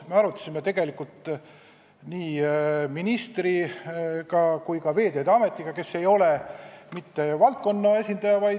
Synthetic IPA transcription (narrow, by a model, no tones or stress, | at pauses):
me̞ɑɾut̪ːˑɑ̥simet̪e̞ɡe̞likult̪ˑ | niːminist̪rikɑkujkɑve̞ːd̪e̞ːd̪eɑme̞t̪ːˑiɡ̥ɑke̞sːe̞jo̞le̞mit̪ːe̞vɑlt̪̚ko̞nːɑe̞sʲind̪ɑjɑvɑj